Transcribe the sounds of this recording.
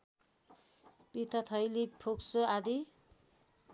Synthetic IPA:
bit̪ʌt̪ʰʌjlipʰoksoad̪i

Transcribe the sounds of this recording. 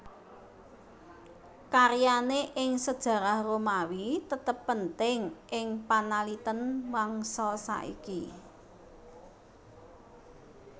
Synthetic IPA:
kaɾjaneʔɪŋsəd̥ʒ̥ä̤ɾahromawit̪ət̪əpːənt̪ɪŋʔɪŋpanalit̪ənwaŋsɔsa̰ʔḭki

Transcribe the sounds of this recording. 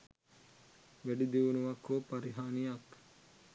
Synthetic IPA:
ʋæɖid̪iʋunuʋɐkːoːpaɾiɦaːnijak

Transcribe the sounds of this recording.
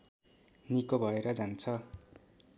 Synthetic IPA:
nikobʱʌeɾʌd͡zant͡sʰʌ

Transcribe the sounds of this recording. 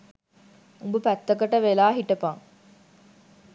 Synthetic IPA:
umbupæt̪ːɐkɐʈɐʋelaːɦiʈɐpɐŋ

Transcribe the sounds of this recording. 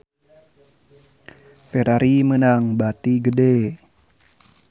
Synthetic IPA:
feɾaɾimənaŋbat̪iɡəde

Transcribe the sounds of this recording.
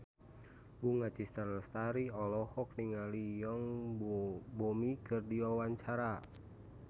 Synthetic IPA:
buŋat͡ʃist̪aɾst̪aɾiɔlɔhɔk̚niŋalijɔŋ | bomikɨrdiwawaɲt͡ʃaɾa

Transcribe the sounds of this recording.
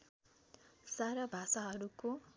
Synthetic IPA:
saɾʌbʱasaɦʌɾuko

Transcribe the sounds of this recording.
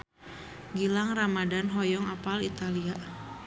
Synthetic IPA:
ɡilaŋramadanɦɔjɔŋapalit̪alia

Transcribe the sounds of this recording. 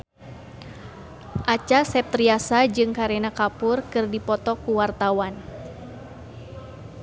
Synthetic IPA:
ʔat͡ʃasɛp̚t̪ɾiasad͡ʒɨŋkaɾɛnakapʊrkɨrdipɔt̪ɔkuwart̪awan

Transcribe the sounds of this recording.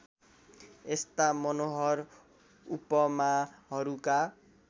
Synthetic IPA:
est̪amʌnoɦʌr | upʌmaɦʌɾuka

